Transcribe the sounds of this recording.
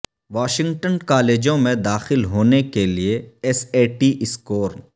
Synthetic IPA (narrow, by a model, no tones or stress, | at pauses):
ʋaːʃɪ̃ŋɡʈənkaːleːd͡ʒõmẽd̪aːxɪlɦoːnekelieɛseːʈiʔɪskoːɾn